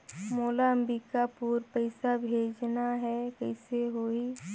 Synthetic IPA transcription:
moːlaə̃mbikapuːɾpəɪsabʱeːd͡ʒnaɦɛkɛɪseɦoːi

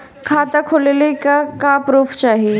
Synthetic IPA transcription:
kʰaːt̪akʰolelekakapɾuːpʰt͡ʃaːɦie

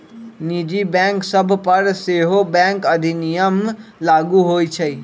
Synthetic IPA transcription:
nid͡ʒibɛ̃ŋksəbʱpəɾseɦobɛ̃ŋkəd̪ʱinijəmlaɡuɦojt͡ʃʰəj

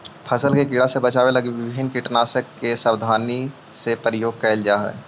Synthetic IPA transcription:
pʰəsəlkekɪɽasebɐt͡ʃaːwelɐɡiʋɪbʱɪnkɪʈnaːsəkːesəwd̪ʱaːni | sepəɾɪjoːɡ̚kɛːld͡ʒaɦɛ̰ː

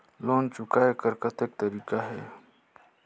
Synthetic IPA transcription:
loːnt͡ʃʊkaekəɾkət̪ek̚t̪əɾikaɦɛ̰

